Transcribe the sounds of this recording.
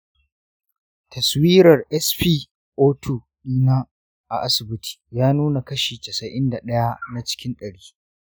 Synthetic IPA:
tɐ˨swiː˦ɾɐ˨rʔɛ˦sɸiː˦ | ʔoː˦tʰuː˨ | iː˦na˦ | ʔa̰˨ʔa˦sɪ˨bɪ˦tʰi̥˨jaː˦nuː˦na˨kɐ˦ʃiː˨tɐ˨sɐ˨ʔɪ˦nda˨ɗɐ˦ja˦na˦t͡ʃɪ̥˦kʲɪ˦nɗɐ˨ɽiː˦

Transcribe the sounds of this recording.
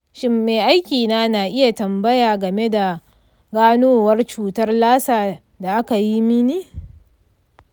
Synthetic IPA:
ʃɪ˦mːeː˨ʔa˦jkʲiː˨naː˦na˨ʔɪ˦ja˨tɐ˨mbɐ˦jaː˨ɡɐ˨me˦da˨ | ɡaː˦noː˦wɐ˦rt͡ʃuː˦tɐ˦rlaː˦saː˨ | da˨ʔa˦ka˨ji˦mi˦niː˦

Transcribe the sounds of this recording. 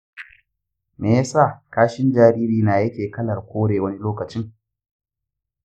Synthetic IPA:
meː˨jaː˦saː˦˨kaː˦ʃɪ˦nd͡ʒaː˦ɾiː˦ɾiː˨naː˨jɐ˦kʲeː˨kɐ˦lɐ˨rkʷoː˦ɽeː˨wɐ˦ni˦loː˦kɐ˨t͡ʃɪ˦ŋ

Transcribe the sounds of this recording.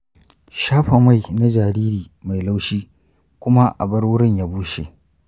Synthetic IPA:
ʃaː˦ɸa˨ma˦˨jna˦d͡ʒaː˨ɾiː˦ɾiː˨ | ma˨jla˦wʃiː˦ | kʷʊ˦ma˦ʔa̰˨bɐ˦ɽwʊ˦ɽɪ˦ɲja˦buː˦ʃe˨ʔ

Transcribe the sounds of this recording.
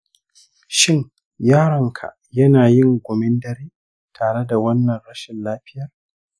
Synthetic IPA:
ʃɪ˦ŋ | jaː˦ɾɐ˨ŋkʰa̰˨ | jɐ˦naː˨jɪ˦˨ŋɡʷʊ˨mɪ˦ndɐ˦ɾiː˦ | tʰaː˨ɽe˦da˨wɐ˦nːɐ˨nɽɐ˦ʃɪ˨nlaː˦ɸɪ˦jɐ˨r

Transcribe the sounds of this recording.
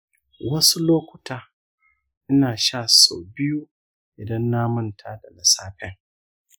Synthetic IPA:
wɐ˦su˦loː˦kʷʊ̥˨taː˨˦ | ʔɪ˦naː˨ʃa˦˨so̰ː˨bɪ˦ju˦ | ʔɪ˨dɐ˦nːa˦mʊ˦ntʰaː˦da˨lɐ˨saː˦ɸɛ˦ŋ

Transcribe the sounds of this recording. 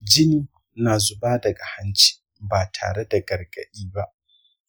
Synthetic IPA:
d͡ʒɪ˦niː˦ | naː˨zʊ˨baː˦dɐ˨ɡa˨ha˦nt͡ʃi̥ː˦ | baː˨tʰa̰ː˨ɽe˦da˨ɡɐ˨rɡɐ̰˨ɗiː˦ba˦ʔ

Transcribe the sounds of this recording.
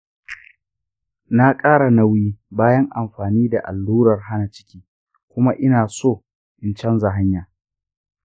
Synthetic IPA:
na˦kʼaː˦ɽa˨na˦wiː˦baː˦jɐ˦ŋʔa˨mɸaː˨niː˦da˨ʔa̰˨lːuː˦ɾɐ˨rɦa˦na˨t͡ʃɪ̥˦kʲiː˦ | kʷʊ˦ma˦ʔɪ˦naː˨soː˦˨ | ʔɪ˨nt͡ʃɛ˦nza˨ɦa˦ɲjaː˨

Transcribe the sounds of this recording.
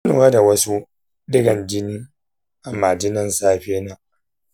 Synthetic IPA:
nʊ˨a˦da˨wɐ˦su˦ | dɪ˦ɡɐ˨nd͡ʒɪ˦niː˦ | ʔa˨mːaː˨d͡ʒɪ˦nɐ˦˨nsaː˦ɸeː˦naː˦

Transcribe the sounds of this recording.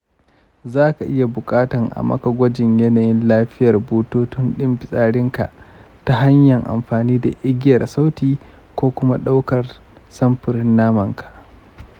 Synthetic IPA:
zaː˦ka˨ʔɪ˦ja˨bʊ˨kʼaː˦tɐ˨ŋʔa̰˨mɐ̰˦kɐ˨ɡʷɐ˦d͡ʒɪ˨ɲjɛ˦naː˨jɪ˦nlaː˦ɸɪ˦jɐ˨rboː˦toː˦tʊ˦nɗɪ˦mɸɪ˨sʼaː˦ɽɪ˦ŋka̰˨ʔ | ta˨ɦa˦ɲjɐ˨ŋʔa̰˨mɸaː˨niː˦da˨ʔɪ˦ɡʲɪ˦jɐ˨rsa˦wtiː˨ | kʷoː˦kʷʊ˦ma˦ɗa˦wkɐ˨r | sɐ˦mɸɪ˨ɾɪ˦nːaː˦mɐ˨ŋkʰḁ˨ʔ

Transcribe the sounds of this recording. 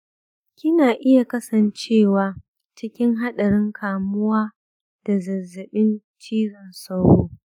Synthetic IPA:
kʲɪ˦naː˨ʔɪ˦ja˨kɐ˦sɐ˨nt͡ʃeː˦˨waː˨ | t͡ʃɪ˦kʲɪ˦ŋɦa˦ɗɐ˨ɽɪ˦ŋkʰaː˨mʊ˦waː˦ | d̥a˨zɐ˨zːɪ˨ɓɪ˦n | t͡ʃiː˦ɽɐ˨nsa˦wɽo̰ː˦

